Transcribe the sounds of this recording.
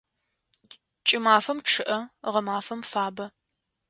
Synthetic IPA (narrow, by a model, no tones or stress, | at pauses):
t͡ʃʼɪmaːfɐmʈ͡ʂʰɨʔɐʁɐmaːfɐmfaːbɐ